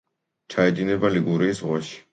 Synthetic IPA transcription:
t͡ʃʰaɛd̪inɛbaliɡuɾiːsʁwaʃi̥

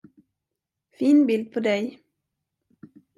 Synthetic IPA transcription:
fiːnbɪld̪̚pʰod̪ɛj

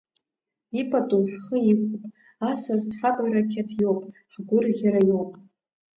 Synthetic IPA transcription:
ipʰʼatʼuħχəikʷʊpʼ | asazħakʷʼajɾakʲʰetʰjowpʼħɡʷʊrɣʲaɾajowpʼ

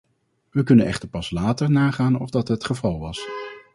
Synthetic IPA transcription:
ʋəkɵnənɛχtəɹpɑslaːtəɹnaːχaːnɔvdɑtɦətχəvɑlˠʋɑs

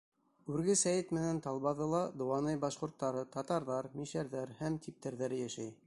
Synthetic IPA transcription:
ʉɾɡɘsæjɘt̪mɘ̆nænt̪ɑlˠβɑðɤlˠɑd̪ŏwɑnɤjbɑʃqŏɾt̪ːɑɾɤt̪ɑt̪ɑɾðɑɾmiʃæɾðæɾhæmt̪ip̚t̪æɾðæɾɘjæʃæj

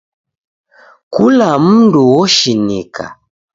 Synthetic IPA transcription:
kulam̩nduwɔʃinikʰa̰

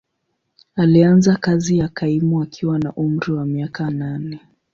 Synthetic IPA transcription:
alianzakazijakaimuakʰiwanaʔum̩ɾiwamiakananɛ

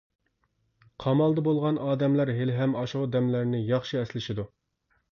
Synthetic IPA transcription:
qʰɑmɑlˠd̪ɑbolˠʁɑnɑːd̪ɛmlæɾɦelɦɛmɑʃʊʁʊd̪ɛmlæɾnɪjɑχʃɨɛslɪʃɪd̪u

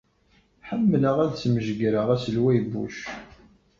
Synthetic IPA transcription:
ħəmːləʁæðsməʒɡɾəʁæsəlwæjəbːṵʃ

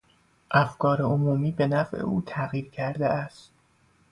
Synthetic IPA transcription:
ʔæfkʰɒːɾeomuːmiːbe̞næfʔḛʔuːt̪ʰæɣiːɾcʰæɾd̪eʔæst̪̚

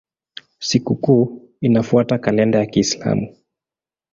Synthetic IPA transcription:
sikukuː | inafuatakalɛndajakiːsla̰mu

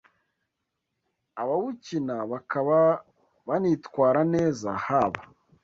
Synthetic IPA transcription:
aβaβucinaβakaβa | βanitkwaːɾaneːza̰haβa

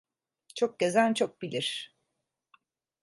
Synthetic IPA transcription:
t͡ʃʰok̚ɟezænt͡ʃʰo̞k̚bilʲiɾ̥

